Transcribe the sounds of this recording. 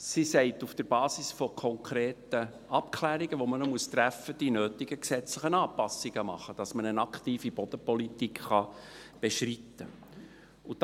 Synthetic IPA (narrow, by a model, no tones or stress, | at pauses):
sisɛɪtufd̥əɾbɑːsisfɔkʰɔŋkʰɾeːtə | ʔɑp̚kʰlæːɾiɡ̥əʋomənomuəst̪ɾæfəd̥inøːtɪɡ̥əksɛt͡sləχənɑːpɑsːiɡ̥əmɑ̰χəd̥ɑsmənənɑktiːfib̥ɔd̥̪əpɔlitikχɑ | b̥eʃritːə | ʊd̥